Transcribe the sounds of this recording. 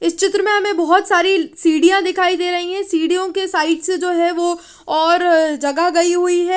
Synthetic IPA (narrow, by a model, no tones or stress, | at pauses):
ɪst͡ʃɪt̪ɾəmẽɦɐmẽbɐɦɔt̪saːɾisiːɽijãd̪ɪkʰaːid̪eːɾɐɦiɦɛ̃siːɖijõkesaːɪʈsd͡ʒoːɦɛʋo | ɔːɾd͡ʒɐɡaɡɐiɦʊiɦɛː